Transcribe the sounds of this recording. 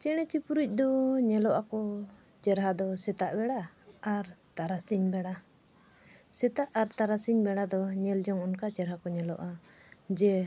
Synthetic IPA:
t͡ʃɛɽ̃ɛt͡ʃipuɾic̚ˀd̪ɔɲɛlɔʔakɔ | t͡ʃɛɾɦad̪ɔsɛt̪aʔbɛɽaːɾt̪aɾasiɲbɛɽa | sɛt̪aʔaɾt̪aɾasiɲbɛɽad̪ɔɲɛld͡ʒɔŋɔnkat͡ʃɛɾɦakɔɲɛlɔʔa | d͡ʒɛ

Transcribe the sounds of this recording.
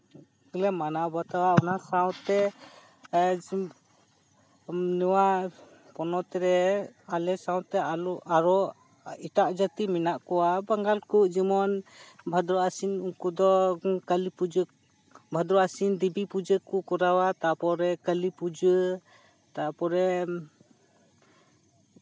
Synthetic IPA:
lɛmanabat̪awaɔnasaw̃t̪ɛ | nəwa | pɔnɔt̪ɛɾɛalɛsawt̪ɛaaɾɔ | iʈaʔd͡ʒat̪iminaʔkɔwabaŋɡalkuʔd͡ʒimɔnbʱad̪ɾɔasinuŋkud̪ɔkalipud͡ʒə | bʱad̪ɾɔasind̪ibipud͡ʒəkukɔɾawat̪apɔɾɛkəlipud͡ʒə | t̪apɔɾɛ

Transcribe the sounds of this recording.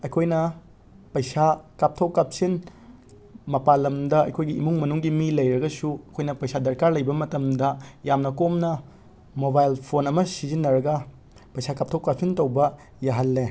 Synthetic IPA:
ɐjkʰojnɐ | pɐjsakap̚tʰɐwkap̚sin | mɐpalɐmdɐɐ̰jkʰojɡiimuŋmɐnuŋɡimilɐjɾɐɡɐsuɐkʰojnɐpɐjsadɐɾkaɾlɐjbɐmɐtɐmdɐjamnɐkomnɐ | mobajlpʰonɐmɐsizinːɐɾɐɡɐ | pɐjsakap̚tʰɐwkap̚sintɐwbɐ | jaɦɐlːe

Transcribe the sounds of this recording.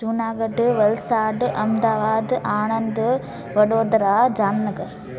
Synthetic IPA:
suːnaːɡɐɖʋɐlsaːɖʔɐmd̪aːʋaːd̪ʔaːɳɐnd̪ɨ | ʋɐɽoːd̪ɾaːd͡ʒaːnnɐɡɐɾ

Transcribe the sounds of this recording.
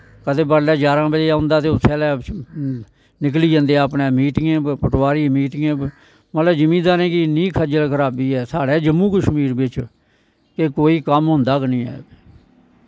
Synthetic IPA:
kəd̪eːbəɽlɛːd͡ʒaːɾãːbəlːaːʊ̃nd̪aːt̪eːʊt̪ʰːɛːlɛː | nɪk̬liːd͡ʒə̃nd̪eəpnẽːmiːʈɪŋẽːpʰəʈwaːɾiːmiːʈɪŋẽː | mət̪ləbd͡ʒəmĩːd̪aːnẽːkɪnĩːkʰəd͡ʒəlkʰəɾaːbiːɛːsaːɽɛːd͡ʒəmːũːkəʃmiːɾbɪt͡ʃ | kekoːiːkəmɦʊ̃nd̪aːknĩːɛ̰ː

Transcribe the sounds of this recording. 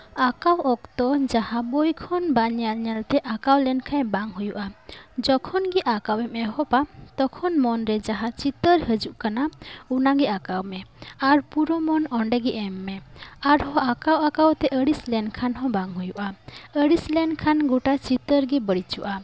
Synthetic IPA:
akawɔk̚t̪ɔd͡ʒahabojkʰɔnbaɲalɲalt̪ɛʔakawlɛnkʰãjbaŋɦujuʔad͡ʒɔkʰɔnɡiʔakawɛmɛɦɔpat̪ɔkʰɔnmɔnɾɛd͡ʒaɦãt͡ʃit̪əɾhəd͡ʒuʔkanaunaɡɛʔakawmɛaɾpuɾɔmɔnɔɳɖɛɡɛʔɛmːɛaɾhɔ̃ʔakawakawt̪ɛʔəɽislɛnkʰanɦɔ̃baŋɦujuʔaəɽislɛnkʰanɡuʈat͡ʃit̪əɾɡɛbəɽit͡ʃuʔa

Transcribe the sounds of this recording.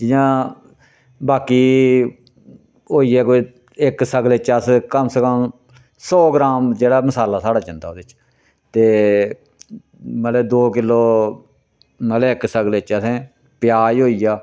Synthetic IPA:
d͡ʒɪjãː | baːkiː | oːiːɛːko | ɪksəɡlet͡ʃəskəmsəkəm | sɔːɡɾaːmd͡ʒeːɽaːməsaːlaːsaːɽaːt͡ʃə̃nd̪aːoːd̪eɪt͡ʃ | t̪eː | mət̪eːd̪oːkɪlːoː | məlːɪksəɡlet͡ʃəsẽː | pɪjaːiɦoːiːjaː

